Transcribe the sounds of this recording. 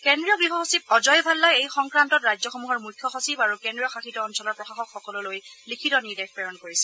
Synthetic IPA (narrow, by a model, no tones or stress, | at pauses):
kɛndɹiɔɡɹiɦɔxosib̚ɔzɔjbʱalːajejxɔŋkɹantɔtɹajzɔxɔmuɦɔɹmujkʰːjɔxosibaɹukɛndɹiɔxaxitɔːnsɔlɔɹpɹɔxaxɔkxɔkɔlʊlojlikʰitɔniɹdɛk̚pɛɹɔnkoɹisɛ̥